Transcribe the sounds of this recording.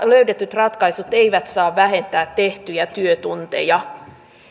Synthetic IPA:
løydet̪yt̪rɑt̪kɑisut̪eiʋæt̪sɑːʋʋæɦe̞nt̪æːt̪ːe̞ht̪yjæt̪yøt̪unt̪e̞̰jɑ

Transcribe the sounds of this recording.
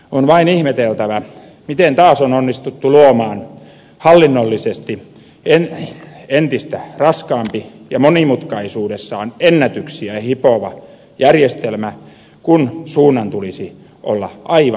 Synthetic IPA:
onʋɑinihmet̪elt̪æʋæ | mit̪ent̪ɑːsononːist̪ut̪ːuluomɑːn | hɑlːinːolːisest̪i | enent̪ist̪ærɑskɑːmpijɑmonimut̪kɑisuːdesːɑːnenːæt̪yksiæɑhipoʋɑ | jærjest̪elmæ | kunsuːnːɑnt̪ulisi | ʔo̰lːɑʔɑiʋ

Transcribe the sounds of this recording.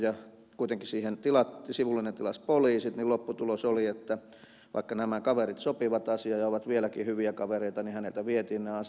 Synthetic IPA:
jɑ | kuit̪eŋkisiːhent̪ilɑt̪ːisiʋulːinent̪ilɑspoliːsit̪nilopːut̪ulosoliet̪ːæ | ʋʔɑ̰ikːɑnæmækɑʋerit̪sopiʋɑt̪ɑsiɑjɑoʋɑt̪ʋielækihyʋiækɑʋereit̪ɑnihænelt̪æʋiet̪iːnneɑs

